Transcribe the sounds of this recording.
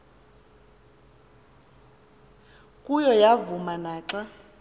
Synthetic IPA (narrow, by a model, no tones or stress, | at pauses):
kʼujɔjavumanaːǁa